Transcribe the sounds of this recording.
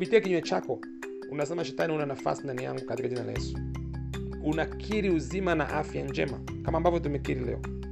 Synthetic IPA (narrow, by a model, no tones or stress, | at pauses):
pitiɛkiɲuɛt͡ʃakɔ | unasɛmaʃɛtanihunanafa̰sindanija̰ŋɡukat̪ikaʄinala̰ɛ̰su̥ | unakʰiɾiuzimana̰ʔafjaɲd͡ʒɛ̰ma | kamaːmbavjɔtumɛkiɾilɛ̰ɔ